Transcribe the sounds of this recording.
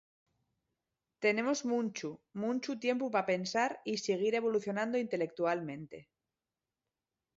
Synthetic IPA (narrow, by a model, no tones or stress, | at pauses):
t̪e̞ne̞mo̞zmũnt͡ʃumũnt͡ʃut̪je̞mpupape̞nsaɾiseɣ̞iɾe̞βo̞luθjo̞nãnd̪oint̪e̞le̞k̚t̪ualmẽnt̪e̞̰